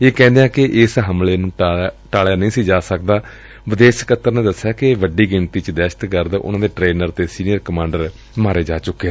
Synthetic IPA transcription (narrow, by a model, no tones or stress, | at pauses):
eːkɛ̃ːnd̪ejãːkɪʔɪsɦəmleːnũːʈaːljaːnəĩːsiːd͡ʒaːsəkd̪aː | ʋɪd̪eːʃkət̪ːəɾnẽːd̪əsːjaːkɪʋəɖiːɡɪɳt̪iːt͡ʃd̪ɛːʃə̥t̪kəɾd̪ʊ̰nãːd̪eːʈɾeːnəɾt̪eːsiːnijəɾkəmãːɳɖəɾ | maːɾeːd͡ʒaːt͡ʃʊkːeː